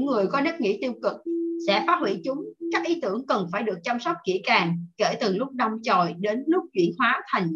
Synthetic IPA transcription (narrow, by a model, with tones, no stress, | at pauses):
ŋːɨ˨˩əjkɔ˨˦nə˦˥k̚ŋḭ˧˥t̪i˧əwkɨ˨˩k̚sɛ̰˧˥faː˨˦˥t̚hwḭ˧˩t͡ɕʊ˨˦ŋ͡mkaː˦˥k̚ʔi˨˦t̪ɨ˧˩əŋkə˨˩nfaː˧˩jɗɨ˨˩ək̚t͡ɕa˧msɔ˦˥wk͡p̚kḭ˧˩˥kaː˨˩ŋkḛ˧˩t̪ɨ˨˩ŋlʊ˦˥k͡p̚ɗɔ˧wŋ͡mt͡ɕo˨˩jɗe˨˦nlʊ˦˥k͡p̚t͡ɕwḭ˧˩ənhwaː˨˦t̪ʰa˨˩jŋ̟